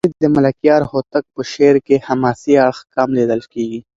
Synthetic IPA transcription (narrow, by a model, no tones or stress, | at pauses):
ɪd̪̚d̪əmɐlɐkjɑːɾhoːt̪ək̚pəʃeːɾkehɐmaːsiɐɽxkaːmleːd̪əlkeːɡi